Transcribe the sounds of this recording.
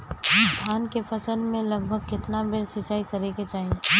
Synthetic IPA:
bʰʱaːnkefɐsəlmẽlɐɡbʱəɡ̚kɪt̪nabɪɾsɪt͡ʃaːikɐɾeket͡ʃaːɦie

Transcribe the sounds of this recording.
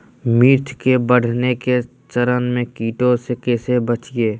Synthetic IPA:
miɾt̪ʰkebəɽ̤neke | t͡ʃəɾənmẽkiːʈõsekeːsebət͡ʃieː

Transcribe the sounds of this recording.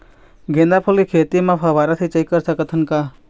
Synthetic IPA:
ɡʱend̪apʰolikʰet̪imãpʰəʋaɾat̪ʰit͡ʃəjkəɾsakət̪ʰənka

